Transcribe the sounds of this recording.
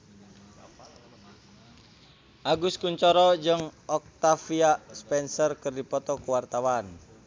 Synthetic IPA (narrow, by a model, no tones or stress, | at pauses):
ʔaɡuskuɲt͡ʃɔɾɔd͡ʒəŋɔk̚t̪afiaspɛnsɔrkɨrdipɔt̪ɔkuwart̪awan